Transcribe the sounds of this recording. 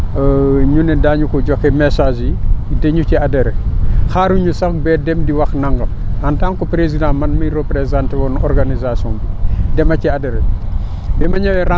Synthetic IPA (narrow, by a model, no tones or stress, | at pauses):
ɲunɛdaɲukɔɟɔkːɛmɛsaʒidɛɲuciadɛɾɛxaːɾuɲusɐxbɛdɛmdiwɐxnaŋɡɐmantaːŋkɔpɾezidãmɐnmirəpɾezantewɔnɔrɡanizasɔːnbidɛmɐciadɛɾɛ | bɛmɐɲɐwɛɾa